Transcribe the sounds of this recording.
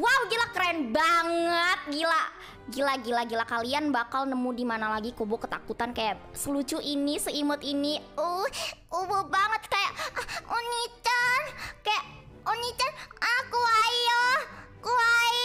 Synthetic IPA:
wawɡilakəɾanbaŋət̪̚ɡila | ɡilaɡilaɡilakalianbakalnəmudimanalaɡikobokət̪akut̪ankajaʔsəlud͡ʒuʔinisəimʊt̪iniuhubʊhbaŋət̪̚kajaʔunit͡ʃankajaʔ | unit͡ʃanʔakuajo | kua

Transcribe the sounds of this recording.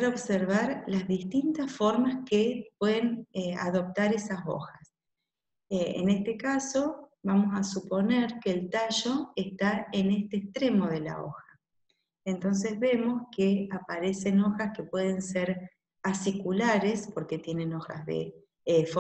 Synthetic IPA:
ɾoβseɾβ̞aɾlazðist̪int̪asfo̞ɾmaskep̚weðenea̰ðo̞p̚t̪aɾesaso̞̰xas | eḛnest̪ekaso̞βamo̞sasupo̞neɾkeːlt̪aʃo̞est̪aenest̪eːst̪ɾemo̞ð̞e̞la̰o̞̰xḁ | ent̪o̞ns̬ezβe̞mo̞skeapaɾe̞se̞no̞xaskepwe̞ðe̞nseɾ | asikulaɾespo̞ɾke̞t̪je̞nẽno̞xa̰zðḛ | fo

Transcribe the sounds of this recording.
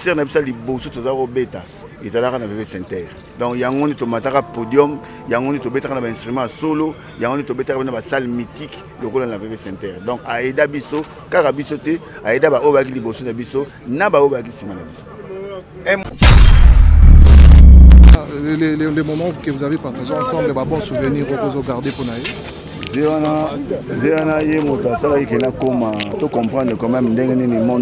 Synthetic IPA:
sɛʁnabisalibosotozakobeta | ezalakanaepesɛ̃tɛʁ | dɔ̃kjaŋɡondetomatakapodjɔm | jaŋɡondetobetakanabaɛ̃stʁymɑ̃jasolo | jaŋɡonetobetakapenabasalmitik | lokolanavevesɛ̃tɛʁdɔ̃kaedabiso | kakabisotɛaedabaojobaak̬ilibosonabiso | nabaobaakisimanabiso̥ | ɛm | alelelemomɑ̃kevuzavepatazɔɑ̃sɑ̃blebabɔ̃suvɛniʁokozoɡaʁdeponaje | zewanazewanajemotoasalakikenakomatokɔ̃pχɑ̃ndʁəkɔ̃mɛmndɛŋɡenenemɔn

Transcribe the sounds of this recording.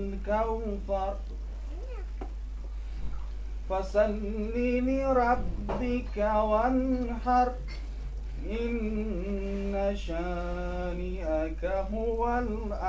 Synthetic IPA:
lkawfɑɾˤ | fasalːilɪɾˤɑbːɪkawanħɑɾˤ | ʔɪnː | aʃa | ɾɪʔakaɦʊwal | ʔa

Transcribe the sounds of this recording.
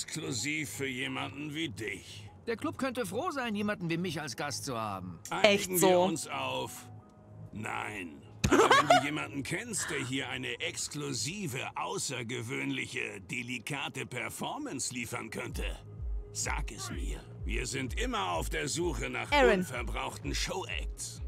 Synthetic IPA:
skʰluziːfːyːɐjeːmandn̩viːdɪçd̥eːɐkʰl̥ʊp̚kʰœntəfʁ̥oːzaɪnjeːmandn̩viːmɪçalsɡ̥astt͡suha̰ːbm̩ʔaɪɛɪɡŋ̩vziːɐʊnsaʊf | na̰ɪn | ʔavɛndujeːmandn̩kʰɛnst̚d̥eːɐɦiːɐʔaɪnəʔɛkskluziːvəʔaʊsɐɡəvøːnlɪçə̰d̥elikʰaːtəpʰɛɐfɔɐmɛnsliːfɐ̰nkʰœntʰə̰ | z̥a̰ːkɛsmḭːɐviːɐzɪntʔɪmɐaʊfd̥eːɐzuːxəna̰ːχɛʁɪnfɛɐbʁaʊxtn̩ʃoʊʔɛ̰k̚ts

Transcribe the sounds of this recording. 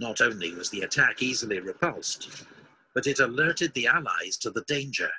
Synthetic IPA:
nəɾõʊ̃nliwʌzðiɨtʰækizl̩ˠiɹɨpʰʌlˠst | b̥ʌɾɨɾəlɜ˞ɾɨd̪̚ðiælˠa̰ɪz̥tʰəðədẽɪ̃nd͡ʒə̰˞

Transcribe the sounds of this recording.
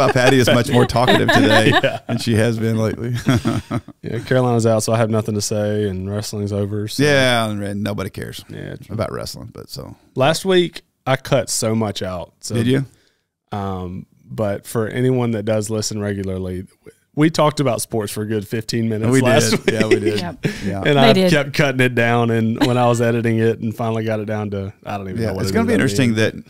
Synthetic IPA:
apʰæɾiɨzmʌt͡ʃmɔɹtʰɔkɨɾɨ̰v̥tʰɨdeɪæɨ̃nʃiɨzbɨ̃nleɪʔli | jæ̰kʰɛɹəlãɪ̃nəzaʊtsoʊaɪɨvnʌθɪ̃ŋtʰɨseɪɨ̃nɹɛslɪ̃ŋzoʊvə˞sjæãɪ̃ɹɛdnoʊbɑɾikʰɛ̰ɹz̥jæ̰əbaʊʔɹɛ̰slɪ̰̃ŋb̥ʌ̰tsoʊ | læst̚wik | aɪkʰlʌtsoʊmʌt͡ʃaʊt̚soʊɪd͡ʒɨ | ʌ̃m | b̥ʌtfə˞ʔɛ̰niwʌ̃nðɨt̚d̥ʌzlɪsɨ̃n̩ɹɛɡjl̩ˠə˞lˠi | witʰɔk̚tɨbaʊtspɔɹtsfə˞ɡʊd̥fɪftʰĩnmɪ̃nɨtwsilæssdt̚wijæwidɪdæʔɨ̃ñaɪkʰɛp̚kʰʌɾɪ̃ŋɨt̚d̥ãʊ̃nɨ̃nwə̃ñaɪwʌzɛɾɨɾɪ̃ŋɪɾn̩fãɪ̃nl̩ˠiɡɑɾɨt̚d̥ãʊ̃ntɨaɪdõʊ̃ntivɨjæoʊwʌɨssɡʌnəbiɪ̃nt͡ʃɹ̥ɨtɪ̃ŋðɨt̚

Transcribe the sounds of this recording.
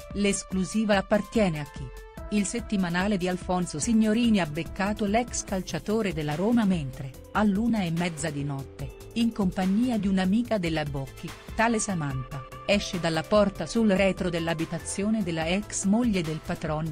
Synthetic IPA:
leskluziːvapːart̪jɛːneak̟ːi | ilset̪ːimanaːled̪ialfɔnsosiɲːoɾiːniabːekːaːt̪olɛkskalt͡ʃat̪oːɾed̪elːaɾoːmament̪ɾe | alːuːnaemːɛd̪zːad̪inɔt̪ːe | iŋkompaɲːiːad̪iunamiːkad̪elːabɔkʰːit̪aːlesamant̪a | ɛʃːed̪alːapɔrt̪asulɾɛːt̪ɾod̪elːabit̪at̪sːjoːned̪elːaɛksmoʎːed̪elpat̪ɾɔn

